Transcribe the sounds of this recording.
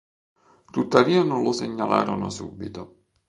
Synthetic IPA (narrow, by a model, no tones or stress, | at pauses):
t̪ut̪ːaviːanonloseɲːala̰ːɾono̰suːbːit̪o